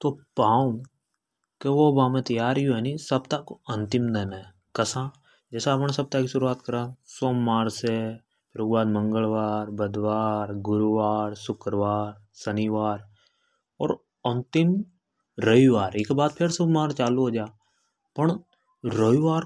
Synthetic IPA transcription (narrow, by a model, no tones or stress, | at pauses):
t̪opaːũ | keʋobaːmẽt̪əjaːɾjuɦɛnisəbt̪akoə̃nt̪ɪmd̪ɛːna | kəsãː | d͡ʒɛːseapñsəb̚t̪akisʊɾuaːt̪kəɾãːsoːmːaːɾse | pʰɪɾekbaːd̪mə̃ŋɡəɭʋaːɾbəd̪ʋaːɾɡʊɾuʋaːɾsʊkəɾʋaːɾ | səniʋaːɾ | ɔːɾ | ənt̪ɪm | ɾəiʋaːɾeːkebaːd̪̚pʰɪɾsəbmaːɾt͡ʃaːluɦod͡ʒaː | pəɳ | ɾəʋiʋaːɾ